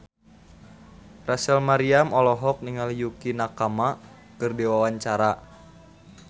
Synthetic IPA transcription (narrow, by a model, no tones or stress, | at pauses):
rasəlmaɾiamɔlɔɦɔk̚niŋaljukinakama | kɨrdiwawaɲt͡ʃaɾa